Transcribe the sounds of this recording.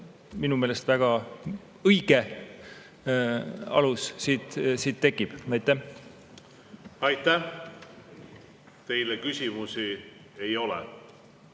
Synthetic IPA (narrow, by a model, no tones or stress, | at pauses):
minume̞ːle̞st̪væɡ̥ɑ | ɤjɡ̥e | ɑ̰lussiːd̪̥siːt̪̚t̪ːe̞kːˑib̥ɑjt̪ːˑæh | ɑjt̪æh | t̪e̞jlekysʲimusi | ejo̞lɛ̰